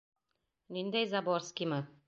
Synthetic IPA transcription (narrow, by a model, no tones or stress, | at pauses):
nind̪æjzaboɾskʲimɤ